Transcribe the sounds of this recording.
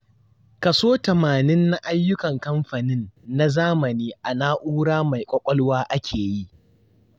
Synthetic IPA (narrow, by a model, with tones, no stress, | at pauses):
kɐ˨soː˦tɐ˨maː˨nɪ˦nːa˦ʔa˦jːʊ˦kɐ˨ŋkɐ˦mɸa˨nɪ˦nːa˦zaː˦mɐ˨niː˦ʔa˨naː˦ʔuː˦ɽaː˦ma˨jkʷʼɐ˦kʷʼɐ˦lwaː˦ʔa˦kʲʰeː˨ji˦ʔ